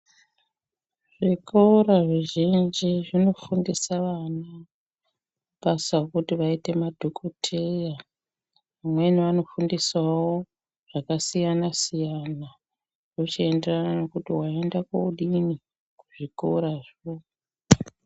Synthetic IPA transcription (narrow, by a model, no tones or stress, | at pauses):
ʐ̥ikoɾaʐeʒind͡ʒiʐino̞fundisaʋana | ɓasakutiʋaite̞madʱokʰotʰe̞ja | ʋamwe̞niʋano̞fundiswawo | ʐ̥akasijanasijana | rot͡ʃie̞nderanano̞kutiwae̞ndakouɗini | kuʐiko̰ɾaʐo